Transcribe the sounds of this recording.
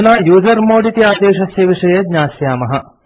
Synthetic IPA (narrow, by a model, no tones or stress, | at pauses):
naːjuːzɐɾmoːɽit̪iaːd̪eːʃɐsjɐʋiʂɐjɐɡ̪ɲaːsjaːmɐɦɐ